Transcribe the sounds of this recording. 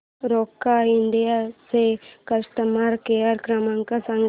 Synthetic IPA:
ɾoːkːaɪnɖ̪ijasekəɾst̪əmaːɾkeəɾkɾəmãŋkasə̃ŋɡ

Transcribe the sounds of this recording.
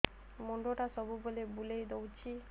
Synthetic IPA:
moɳɖoʈasɔbubolebulejd̪owt͡ɕʰi

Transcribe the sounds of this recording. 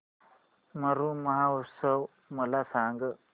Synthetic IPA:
mɐɾumɐɦausɐw | mɐlasaːŋɡə

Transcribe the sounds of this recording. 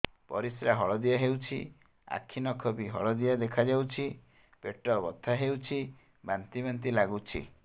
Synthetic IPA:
pɔ̰ɾisɾaɦɔɭɔd̪ijaɦewt͡ʃʰi | a̰kʰːinɔkʰɔbiɦɔ̰ɭɔd̪iad̪ekʰad͡ʒawt͡ʃʰi | peʈɔbɔt̪ʰaɦewt͡ʃʰi | bant̪ibant̪ilaɡut͡ʃʰḭ

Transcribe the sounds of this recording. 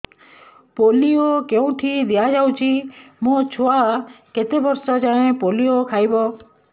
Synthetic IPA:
poliokeũt̪ʰid̪ijad͡ʒaũt͡ʃʰimõt͡ʃʰoaket̪ebɔɾsad͡ʒãẽpoliokʰajbɔ

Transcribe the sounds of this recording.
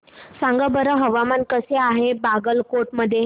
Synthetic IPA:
saŋɡəbəɾəɦəʋamankəseaɦebaɡəlkoʈməd̪ʱːje

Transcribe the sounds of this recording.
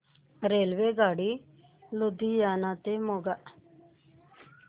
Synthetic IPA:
ɾeːlʋeːɡaːɽiː | lʊd̪iːjaːnãːt̪eːmoːɡaʔ

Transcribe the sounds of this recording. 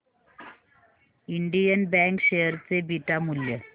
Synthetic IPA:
iɳɖijɐnbaŋkɕejəɾt͡sebiʈːamuljə

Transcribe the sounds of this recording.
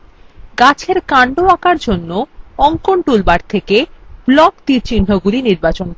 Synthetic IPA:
ɡat͡ɕʰeɾkaɳɖoakaɾd͡ʑonːoɔŋkoɳʈulbaɾt̪ʰekeb̥lɔkt̪iɾt͡ɕinːoɡuɾiniɾbat͡ɕon

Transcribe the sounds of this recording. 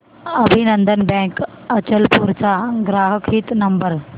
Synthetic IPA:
ɐbʱinə̃nd̪ənbɛ̃ːk | ɐt͡ɕəlpuːɾt͡ʃaɡɾaːɦəkʰiːt̪nɐmbəɾ

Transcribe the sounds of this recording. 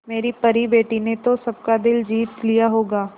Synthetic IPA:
meːɾipɐɾibeːʈinet̪osɐb̚kad̪ɪld͡ʒiːt̪lijaɦoːɡaː

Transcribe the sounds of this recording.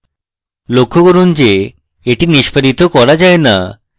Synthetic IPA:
lokʰːokoɾund͡ʑe | eʈiniʃpʰaɾit̪okɔɾad͡ʑaena̰

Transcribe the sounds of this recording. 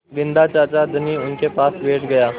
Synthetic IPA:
ɡɪ̃nd̪at͡ʃaːt͡ʃad̪əniʊnkepaːsbeːʈɡɐjaː

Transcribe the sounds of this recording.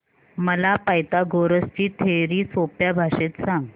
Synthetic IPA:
məlapajt̪aɡoɾəst͡ɕiːt̪ʰeɾiːsopjabʱaɕet̪sãŋɡ

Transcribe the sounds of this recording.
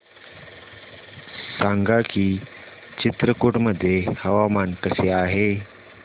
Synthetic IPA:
saŋɡakiː | t͡ɕit̪ɾəkoʈməd̪ʱːjehəʋamankəseaɦe

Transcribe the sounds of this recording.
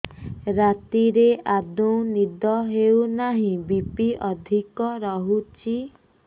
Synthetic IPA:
ɾat̪iɾeʔad̪uw̃nid̪ɔɦewnaɦĩbipiʔɔd̪ʱikɔɾɔɦut͡ʃʰi

